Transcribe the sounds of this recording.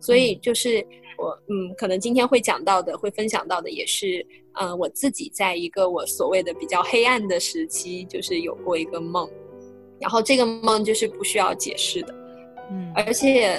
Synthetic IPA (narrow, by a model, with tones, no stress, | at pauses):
swɔ˧˥i˨˩t͡ɕjo˥˧ʊʂɻ̩˥˩wɔ˧˥n̩˥˩kʰɤ˨˩nɤ˧˥ŋt͡ɕi˥nt̪ʰjɛ˥nxwe˥˩ɪt͡ɕjɑ̰˨˩ŋt̪ɑ˥˩ʊd̪ə˩xwe˥˩ɪfə˥nɕjɑ̰˨˩ŋt̪ɑ˥˩ʊd̪ə̰˩jɛ̰˨˩ʂɻ̩˥˩ | ə˧wɔ˨˩t͡sɹ̩˥˩t͡ɕḭ˨˩t͡sa˥˩ɪi˧˥ɡə˧wɔ˧˥swɔ˨˩we˥˩ɪd̪ə˩pi˨˩t͡ɕjɑ˥˧ʊxe˥ɪa˥˩nd̪ə˩ʂɻ̩˧˥t͡ɕʰi˥t͡ɕjo˥˧ʊʂɻ̩˥˩jo˨˩ʊkwɔ˥˩i˧˥ɡə˧mɤ˥˩ŋ | ɻa˧˥nxo˥˧ʊʈ͡ʂɤ˥˩ɡə˩mɤ˥˧ŋt͡ɕjo˥˧ʊʂɻ̩˥˧pu˥˧ɕy˥jɑ˥˩ʊt͡ɕjɛ̰˨˩ʂɻ̩˥˩d̪ə˩˥˩ | ə˞˧˥t͡ɕʰjɛ˨˩˦